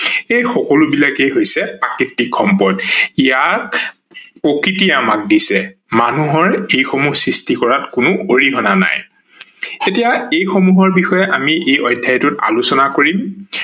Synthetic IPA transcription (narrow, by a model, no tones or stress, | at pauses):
ejxɔkɔlʊbilakejɦojsɛpakitːikʰːɔmpɔɹtijat | pɹokɹitiɛamak̚disɛmanuɦɔɹejxomuhsɹistikɔɹatkʊnʊʔoɹiɦɔnana̰j | etijaejxomuɦɔɹbixɔjɛʔamiʔejɔjdʱːajtʊta̰lusɔnakoɹim